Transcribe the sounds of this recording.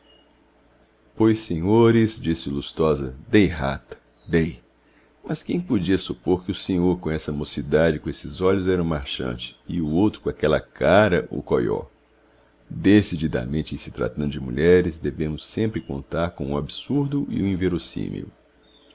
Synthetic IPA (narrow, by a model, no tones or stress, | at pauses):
pojsẽɲoɾɪzd͡ʒisɪlust̪ɔzɐd̪ejɦa̰t̪ɐ̥ | d̪ej | mɐskẽj̃pod͡ʒiɐsupoɾkɪʊsẽɲoɾkõɛsɐmosid̪ad͡ʒɪkõesɪzɔʎʊzɛɾɐũmaɾʃɐ̰̃t͡ʃɪ̥ɪʊowt̪ɾʊkõakɛlɐ̰kʰaɾɐʔʊ̰kojɔ̰ | d̪esid͡ʒid̪ɐ̰mẽnt͡ʃɪisɪ̥t̪ɾa̰t̪ɐ̃d̪ʊd͡ʒɪmṵʎɛɾɪzd̪evẽmʊsːẽmpɾɪkõ̰nt̪aɾkõũabisuɾd̪ʊʔḭũĩveɾosḭ̃mḭʊ̰